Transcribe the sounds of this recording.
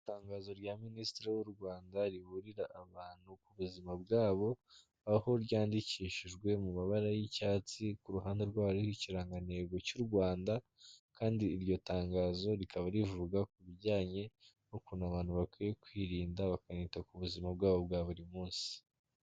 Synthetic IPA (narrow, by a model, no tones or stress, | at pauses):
taːŋɡaːzo̞ɾjaministiɾiwuɾɡwaːndaɾiβuɾiɾaʔːβaːn̥hukuβuzimabɡaːβo̞ | aho̞ɾɟaːndiciːʃiʒɡwe̞mumaβaɾajicaːt͡sikuɾuɦaːnde̞ɾɡwaːβaɾihiciɾaŋɡane̞ɡo̞cuɾɡwaːnda | kʰaːndiːɾɟo̞taːŋɡaːzo̞ɾikʰaβaɾivuɡakuβiɟaːɲe̞ | okunaβaːn̥huβakwije̞kwiːɾiːndaβakanitakuβuzimab̚ɡaːβo̞bɡaːβuɾimuːnsi̥